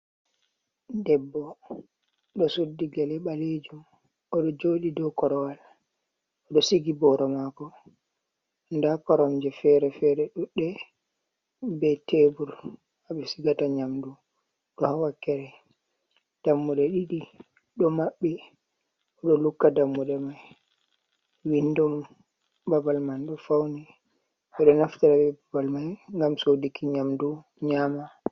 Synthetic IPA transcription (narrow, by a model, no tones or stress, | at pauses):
dɛbːɔ | ɗɔsudːiɡalɛɓaled͡ʒum | ɔɗɔd͡ʒoːɗidɔkɔɾɔwal | ɔɗɔsiɡibɔɾɔmakɔ | ndakɔɾɔmd͡ʒɛfɛɾɛfɛɾɛɗuɗːɛ | bɛtebuɾ | haɓɛsiɡataɲamdu | ɗɔhawakːɛɾɛ | d̥amːuɗɛɗiɗi | ɗɔmaɓːi | ɔɗɔlukːadamːuɗɛmaj | winːdɔm | babalmanɗɔfawni | ɓɛɗɔnaftaɾaɓɛbabalmajŋɡamsodikiɲamdu | ɲama